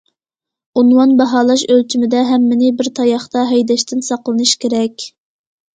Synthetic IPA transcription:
unwɑnbɑɦɑːlˠɑʃølt͡ʃʰimɪd̪ɛɦɛmːɪnɪbɪɾt̪ʰɑjɑχt̪ɑɦɛjd̪ɛʃt̪ʰɪnsɑqlˠɨnɨʃkʲeɾɛkʲ

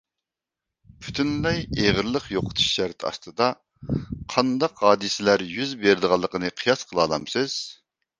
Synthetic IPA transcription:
pʰy̥t̪ʰynlɛjeʁəɾlˠəqjoqʰə̥t̪ʰu̥ʃːæɾt̪ʰɑ̰st̪ɨd̪ɑ | qʰɑnd̪ɑqhɑːd̪ɨsɪlæɾjyzbeɾɪd̪əʁɑlˠːəqʰənɨqʰijɑsqʰəlˠɑːlˠɑmsɨz̥

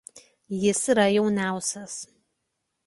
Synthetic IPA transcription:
jɪsiɾɐjɛʊnʲæˑʊsʲɛs

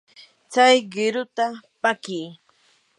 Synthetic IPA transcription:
t͡sajɢɪɾʊt̪apakiː

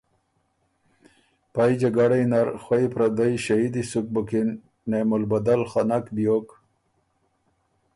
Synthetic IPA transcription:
pajd͡ʑaɡaɽajnaɾxwajpɾad̪ajɕaid̪isuk̚bukinː | emolbad̪alxanakb̪ijok

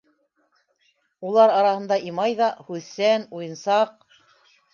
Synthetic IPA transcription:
ulˠɑɾɑɾɑhɤ̆nd̪ɑʔimɑjðɑhʉðsænujɤ̆nsɑq̚

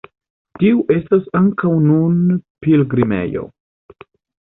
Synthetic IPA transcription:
tiuʔe̞stasaŋkawnunpilɡɾime̞̰jo̞̰

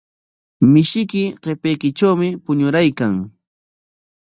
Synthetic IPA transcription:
mɪʃɪkɪɢepejkɪʈ͡ʂawmɪpʊɲʊɾajkaŋ

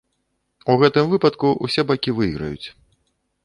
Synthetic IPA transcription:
uɣɛt̪ɨmvɨpɐt̪kuusʲɛbakʲivɨiɣɾɐ̰jṵt͡sʲ

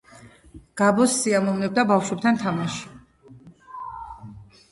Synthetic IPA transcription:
ɡ̥abɔsːiamɔmnɛb̚d̪abafʃwɛp̚t̪ʰant̪ʰamaʃi̥

